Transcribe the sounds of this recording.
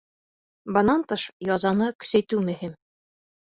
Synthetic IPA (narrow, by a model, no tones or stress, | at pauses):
bɤ̆nɑnt̪ɤʃjɒzɑnɤkɵ̥̆sæjt̪ʉmɵ̆him